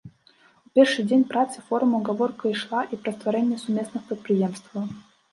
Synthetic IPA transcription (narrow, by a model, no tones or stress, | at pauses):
pʲerʂɨjdʲenʲpɾat̪sɨfo̞ɾʊmʊɐɡɐvorkəɪʂlˠaʔipɾəst̪vɐɾʲɛnʲɪjəsʊmʲesnɨxpɾʲɪt̪̚pɾʲɪjemst̪və